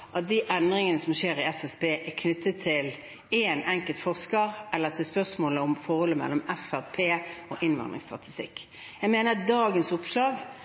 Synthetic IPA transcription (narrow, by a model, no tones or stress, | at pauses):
ʔɑt̪̚d̪iʔɛnd̪ʁɪŋənəsɔmʃeːɾɪɛsɛsbeːʔɛkʰnʏt̪ːət̪ʰːɪl | eːnɛŋkəlt̪fɔʁskəʁɛlːət̪ʰɪlspœʁsmoːləɔmfɔʁhɔlːəmɛ̰lːɔmɛfæʁpʰeːoːʔɪnʋɑ̰nd̪ʁɪ̰ŋst̪ʁɑ̰t̪ɪst̪ɪ̰kː | jæɡmeːnəd̪ɑːɡənsʊpslɑːɡ